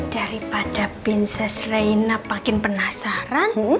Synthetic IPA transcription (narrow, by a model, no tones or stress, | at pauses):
d̥a̤ɾipad̥a̤b̥ɛnsɛsreinapakɪŋpənasaɾan